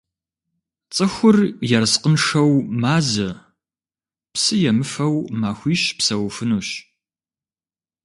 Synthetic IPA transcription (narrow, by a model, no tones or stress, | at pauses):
t͡sʼɨxʷʊrjɛrsqənʂɐwmaːzɐ | psɨjɛmɨfɐwmaːxʷiːʃpsɐwfɨnuːɕ